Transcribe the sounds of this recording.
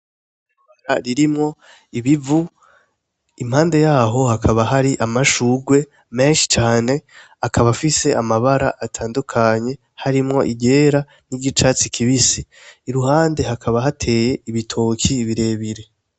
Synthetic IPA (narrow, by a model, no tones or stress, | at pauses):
βaɾaɾiɾimŋo̞ | iβivu | im̥haːnde̞jaːɦo̞hakʰaβaɦaɾiʔamaʃuːɡwe̞ | me̞ːnʃi̥t͡ʃaːne̞ | akʰaβafise̞amaβaɾa̰ʔatʰaːndukʰaɲe̞ | haɾimŋo̞̰ʔiɟe̞ːɾa | niɟit͡ʃaːt͡sikʰiβisiːɾuhaːnde̞hakʰaβaɦatʰe̞ːje̞iβitʰo̞kʰiːβiɾe̞ːβiɾe̞